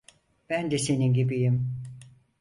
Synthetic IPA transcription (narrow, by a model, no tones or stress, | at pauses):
b̥ænd̪ɛseninɟibijim